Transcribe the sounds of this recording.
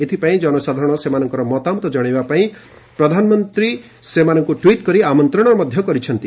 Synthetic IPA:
et̪ʰipaĩd͡ʒɔnɔsad̪ʱaɾɔɽ̃ɔsemanɔŋkɔɾɔmɔt̪amɔt̪ɔd͡ʒɔɽ̃ebapaĩ | pɾɔd̪ʱanɔmɔnt̪ɾi | semanɔŋkuʈwiʈkɔɾiamɔnt̪ɾɔɽ̃ɔɾɔmɔd̪ʱjɔkɔɾit͡ʃʰɔnt̪i

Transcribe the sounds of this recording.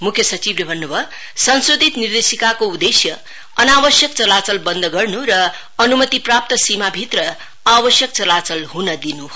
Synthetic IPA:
mukʰjʌsʌt͡sibɾebʱʌnːubʱʌ | sʌnsod̪ʱit̪nird̪esikakoud̪esjʌ | ʌnabʌsjʌkt͡sʌlat͡sʌlbʌnd̪ʱʌɡʌrnuɾʌː | numʌt̪iprap̚t̪ʌsimabʱit̪rʌ | abʌsjʌkt͡sʌlat͡sʌlɦunʌd̪inu

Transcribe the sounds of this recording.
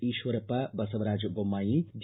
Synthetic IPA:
iːʃʋɐɾpɐbɐsɐʋɐɾaːd͡ʒbomaːjid͡ʒ

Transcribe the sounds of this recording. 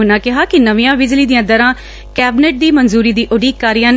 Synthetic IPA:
ʊnaːkɪɦaːkɪnəʋijãːbɪd͡ʒliːd̪ɪjãːd̪əɾãː | kɛːbɪneʈ̚d̪iːmənzuːɾiːd̪iːʔʊɖiːkːaːɾijãːn

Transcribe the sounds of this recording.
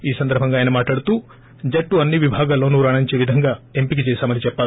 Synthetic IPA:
iːsɐnd̪ɐɾbʱɐŋɡaːjɐnɐmaːʈɭaːɽut̪uː | d͡ʒɐkʈːuɐnːiʋibʱaːɡaːloːnuːɾaːɳɐɲt͡ʃeːʋid̪ʱɐŋɡaːempik̬it͡ʃɛːsaːmɐnit͡ʃɛpːaː

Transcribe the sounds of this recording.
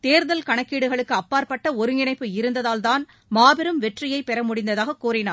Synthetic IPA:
t̪eːɾðɐlkɐɳɐkːiːɽɯɣɐɭɯkːɯɐpːaːɾpɐʈːɐɔɾɯŋɪɳɐɪpːɯɪɾɯnd̪ɐðaːlt̪aːn | maːbɪɾɯmʋɛʈrɪjɐɪpɛɾɐmʊɽɪnd̪ɐðaːɣɐkuːrɪnaːɾ

